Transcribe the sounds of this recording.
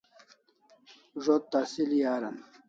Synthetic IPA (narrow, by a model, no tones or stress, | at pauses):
ʐot̪ːasiljaːɾɐ̰n